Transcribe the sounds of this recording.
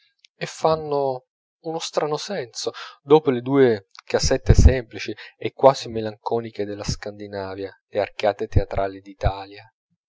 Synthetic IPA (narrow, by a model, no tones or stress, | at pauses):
efːanːo | unost̪ɾanosɛnsod̪oːpoled̪uːekasɛt̪ːesɛmplit͡ʃiekːwaːzimelaŋkɔːniked̪elːaskand̪inaːvjalearkaːt̪et̪eat̪ɾʔaːlid̪it̪aːlja